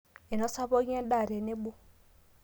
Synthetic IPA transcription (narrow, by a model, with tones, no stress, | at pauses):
e˨no˦sa˦βo˦ɣe˦da˦˨ɾe˨ne˦bo˦